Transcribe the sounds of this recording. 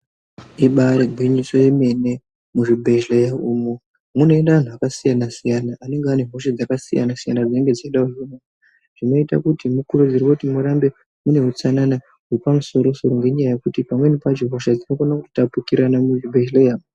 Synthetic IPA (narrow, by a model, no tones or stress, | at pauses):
iɓaɾeɡʱwiɲisojeme̞ne̞ | muʐibʱe̞ʒlejauːmo | muno̞endaʋan̤uakasijanasijanaʔːne̞ŋɡeane̞m̤o̞ʃad͡zakasḭja̰nasijanad͡zineŋɡe̞d͡zaiɗauomaa | ʐ̥ino̞ita̰kutimukurud͡zirwakutimuɾambe̞ | mune̞ut͡sanana | ɦuripamuso̞ɾo̞so̞ɾo̞ŋɡe̞ɲajaje̞kutipamwe̞nipad͡ʒiɦoʃad͡zino̞konaku̥tapukiɾanamuʐibʱe̞ʒlejau